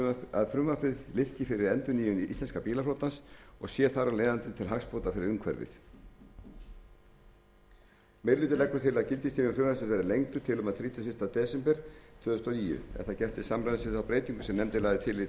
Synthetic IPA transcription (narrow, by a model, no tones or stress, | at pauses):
aðfɾʏmvapɾɪðlɪfcɪfɪɾɪɾɛnt̪ʏniːjʏniist̪ɛnskapiːlaflowt̪nasɔɣsjɛθaɾawleːjðant̪ɪt̪ʰɪlɦakspoːt̪afɪɾɪɾʏŋkʰvɛ̰ɾvɪ̰θ | mejɾlʏːt̪ɪlɛkːʏɾ̥t̪ʰɪlaðcɪlt̪ɪst̪iːnʏmfɾʏmvasʏvɛɾɪlejŋt̪ʏt̪ʰɪlʏmaðθɾiːt̪ʏfɪst̪at̪ɛːsɛmpɛɾ̥t̪ʰv̥œːðʏst̪awniːjʏ̰ɛ̰nθaðcɛft̪ɪsamɾajðsɪðawpɾeːjt̪iŋkʏ̥sɛmnɛmt̪ɪlaːðɪt̪ʰɪlɪ